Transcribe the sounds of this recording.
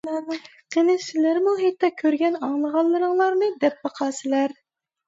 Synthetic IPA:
qʰenɪsɪlæɾmuɦɛjt̪ːɑkʲʰøɾɡʲɛnɑŋlˠəʁɑlˠːɨɾəŋlˠɑɾnɨd̪ɛp̚bɑqʰɑːsɪlæɾ

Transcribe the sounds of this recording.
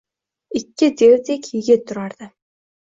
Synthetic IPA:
ikːɪd̪erd̪ekʰiːɡʲet̪ʰːʊɾaːɾd̪ă

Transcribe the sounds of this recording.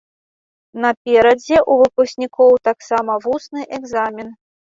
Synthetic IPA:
nɐpʲɛɾɐd͡zʲɛʔuvɨpusʲnʲikʰɔwt̪aksamɐvusnɨʔɛɡzamʲin

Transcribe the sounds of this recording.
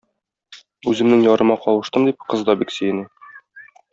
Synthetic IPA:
ʉzɘ̆mnɘŋjɒɾɤ̆mɑqɒlˠɤ̆ʃt̪ɤmd̪ip̚qɤ̆zd̪ɑbiksɘ̆jɘnɘ

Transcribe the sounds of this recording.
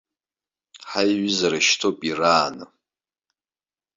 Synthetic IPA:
ħajɥɪzaɾaʃtʰopʼiraːnɨ̰

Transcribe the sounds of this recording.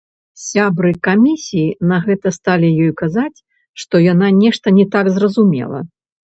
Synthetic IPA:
sʲabɾɨkamʲisʲijinɐɣɛt̪ɐst̪alʲijɔjkazat͡sʲ | ʂt̪ɔjananʲɛʂt̪ɐnʲɛt̪aɡzrɐzumʲɛ̰lˠɐ̰

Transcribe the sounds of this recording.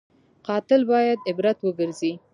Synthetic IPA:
qɑt̪ɪlbɑjad̪ɪbɾat̪wəɡəɾzi

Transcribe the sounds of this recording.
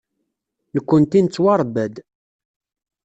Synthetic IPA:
nəkʷːənt̪int͡sːwɑɾˤbæd̪

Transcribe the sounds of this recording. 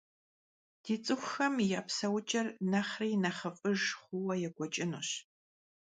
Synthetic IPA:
d̥iːt͡sʼɨxʷxɐmjaːpsɐwʊt͡ʃʼɐrnɐχriːnɐχɐfʼɨʒχʷʊwɐjɛɡʷɔt͡ʃʼɪnuːɕ

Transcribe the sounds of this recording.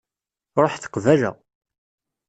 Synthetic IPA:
ɾˤoħθə̥qvælæ̰

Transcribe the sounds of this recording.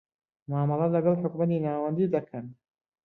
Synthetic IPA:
maːmɑlˠɑlɐɡɑlˠħʊkmɐt̪inaːwɐnd̪id̪ɐkʰɐn

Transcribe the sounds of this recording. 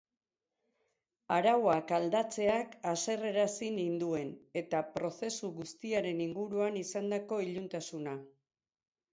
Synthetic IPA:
aɾawakald̪at͡se̞akase̞re̞ɾasinind̪ue̞ne̞t̪apɾo̞se̞suɣust̪iaɾe̞niŋɡuɾuanisand̪ako̞iʎunt̪asuna

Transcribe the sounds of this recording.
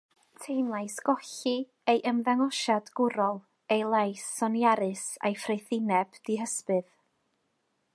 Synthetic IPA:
tʰejmlˠajsɡ̥ɔɬi | ejʔəmðaŋɔʃadɡʊɾɔlˠ | ejlˠajsɔnjaɾɨsa̰jfrejθɪnɛb̥d̥iɦəspɨð

